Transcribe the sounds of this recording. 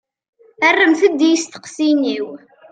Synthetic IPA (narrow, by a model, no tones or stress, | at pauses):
ərːəmθəd̪ːijst̪ə̥qsiniw